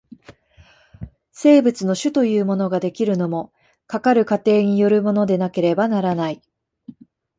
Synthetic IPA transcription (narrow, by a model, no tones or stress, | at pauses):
se̞ːbɯ̟t͡sɨno̞ɕɨt̪o̞jɯ̟ːmo̞no̞ɡad̪e̞kʲiɾɯ̟no̞mo̞ | kakaɾɯ̟kat̪e̞ːɲ̟ijo̞ɾɯ̟mo̞no̞d̪e̞nake̞ɾe̞banaɾanai